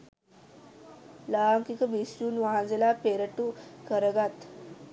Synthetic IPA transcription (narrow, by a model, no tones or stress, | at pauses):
laaŋkikəbisɾuːnʋaɦãd͡zelapeɾəʈukʰəɾəɡat̪